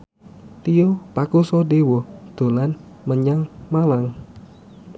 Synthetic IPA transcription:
t̪ijopakusɔdewod̪̥o̤lan | məɲaŋmalaŋ

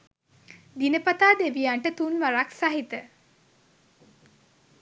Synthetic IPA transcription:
d̪inəpat̪aːd̪eʋiaɳʈət̪unʋaɾaksaɦit̪ə

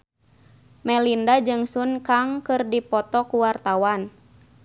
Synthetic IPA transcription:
mɛlindad͡ʒɨŋsunkaŋkɨrdipɔt̪ɔkuwart̪awan

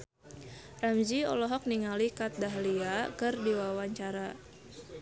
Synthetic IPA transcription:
ramd͡ʒiɔ̰lɔɦɔk̚niŋalikat̪̚daɦliakɨrdiwawaɲt͡ʃaɾa

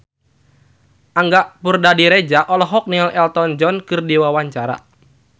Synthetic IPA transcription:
ʔaŋɡaʔpurdadiɾed͡ʒaʔɔlɔɦɔk̚nilɛlt̪ɔnd͡ʒɔnkɨrdiwawaɲt͡ʃaɾa̰

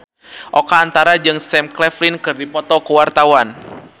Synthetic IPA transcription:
ʔɔkaːnt̪aɾad͡ʒɨŋsɛmklɛflinkɨrdipɔt̪ɔkuwart̪awan

